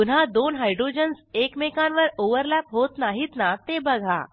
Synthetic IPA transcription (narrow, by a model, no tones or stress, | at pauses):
un̤ɦad̪onɦajɖɾod͡ʑənsekmekãnʋəɾoʋəɾlæpɦot̪naɦit̪nat̪ebəɡʱa̰